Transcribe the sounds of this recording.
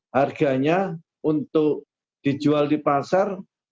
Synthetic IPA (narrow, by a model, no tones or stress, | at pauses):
harɡ̥a̤ɲa | unt̪ʊk̚ | d̥i̤d͡ʒualdipasar